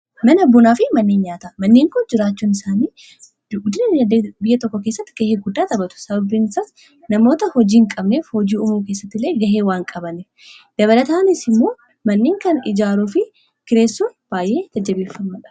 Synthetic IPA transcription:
mɐnbːʊnaːfɪmɐnːeːnɲaːt̪ɐmɐnːeːŋkʊnd͡ʒɪɾaːt͡ʃːuːnɪsaːniː | ɡʊd̪ɪnɐɐbɪjːɐt̪ɔkːɔke̞ːsːɐt̪ːɪ̥ɡ̥ɐheːɡʊd̪ːaːt̪ɐbɐt̪ʊ̥sɐbɐbiːnɪsɐs | nɐmo̞ːt̪ɐhɔd͡ʒiːŋkʼɐbneːfhod͡ʒiːʊmuːke̞ːsːɐt̪ːɪlːe̞ːɡɐɦeːwaːŋkʼɐbɐnef | d̪̥ɐβɐlɐt̪aːnɪsɪmːo̞ː | mɐnːeːŋkɐnɪd͡ʒaːɾuːfɪ | kɪɾe̞ːsːuːb̥aːjʔe̞ːd͡ʒɐd͡ʒːɐbeːfːɐmɐᶑɐ̥

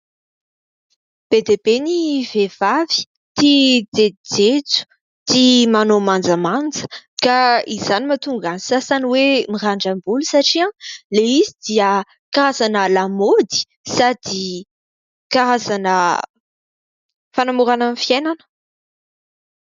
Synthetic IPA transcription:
b̥ed̪ebeniv̥ev̥avi̥ | t̪id͡zed̪id͡zet͡su̥ | t̪imanomand͡zəmand͡zə̥kaizanimat̪uŋɡanisasaniwemiraɳɖ͡ʐambulusaʈ͡ʂiãleizid̪iə | kaɾazanəlamod̪i̥ | sad̪̥i | kaɾazanə | fanamuɾananifienanə̥

